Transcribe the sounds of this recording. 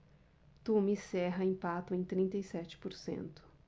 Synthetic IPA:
t̪umisɛɦɐĩpat̪ʊẽj̃t̪ɾĩnt̪ɐisɛt͡ʃɪ̥poɾsḛ̃nt̪ʊ̥

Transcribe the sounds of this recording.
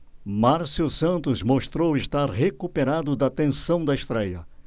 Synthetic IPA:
maɾsusɐ̃nt̪ʊzmoʃt̪ɾowɪʃt̪aɾɦekupeɾad̪ʊd̪ɐt̪ẽsɐ̃w̃d̪ɐeʃt̪ɾɛjɐ̰

